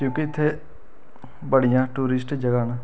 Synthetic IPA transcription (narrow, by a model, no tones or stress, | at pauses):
kjõːkɪɪt̪ʰːeː | bəɽijãːʈuːɾɪsʈd͡ʒəɡaːnaː